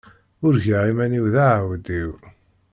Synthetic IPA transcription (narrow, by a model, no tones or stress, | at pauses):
ʊɾʝaʁimæniwðaʕawd̪iw